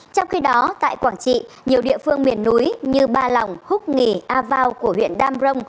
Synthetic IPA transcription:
t͡ɕɔ˧wŋ͡mxi˧ɗɔ˨˦t̪a̰ː˧˨jkwaː˧˩ŋt͡ɕḭ˧˨ | ɲi˨˩əwɗḭ˧˨əfɨ˧əŋmi˧˩ənːu˨˦jɲɨ˧ɓaː˧la˨˩wŋ͡mhʊ˦˥k͡p̚ŋi˨˩ʔaː˧vaː˧wku˧˩əɦwḭ˧˨ənɗaː˧mzə˧wŋ͡m

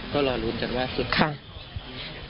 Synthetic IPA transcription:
kɔː˥˩lɔː˧˩luː˦nt͡ɕaː˨˩k̚waː˥˩su˨˩kʰa˥˩

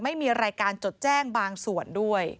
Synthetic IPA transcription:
ma˥˩jmiː˧ɾaː˧jkaː˧nt͡ɕo˨˩t̪̚t͡ɕɛː˥˩ŋbaː˧ŋsu˨˩əndu˥˩əj

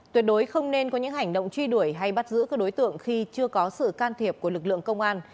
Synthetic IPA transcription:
t̪wi˨˩ət̚ɗo˨˦jxə˧wŋ͡mne˧nkɔ˨˦ɲɨ̰˧˥ŋha˨˩jŋ̟ɗo̰˧˨wŋ͡mt͡ɕwi˧ɗu˧˩əjɦa˧jɓa˦˥t̚zɨ̰˧˥ka˨˥ɗo˨˦jt̪ɨ̰˧˨əŋxi˧t͡ɕɨ˧əkɔ˨˦sɨ̰˧˨kaː˧nt̪ʰi˨˩əp̚ku˧˩əlɨ˨˩k̚lɨ̰˧˨əŋkə˧wŋ͡mʔaː˧n

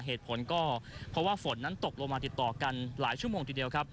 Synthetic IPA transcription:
ɦeː˨˩t̪̚pʰo˩˦nkɔː˥˩pʰɾɔ˦˥waː˥˩fo˩˦nːa˦˥nt̪o˨˩k̚lo˧ŋmaː˧t̪i˨˩t̪ːɔː˨˩ka˧nla̰ː˩˦jt͡ɕʰu˥˩əmoː˧ŋt̪i˨˩di˧əwkʰɾa˦˥p̚

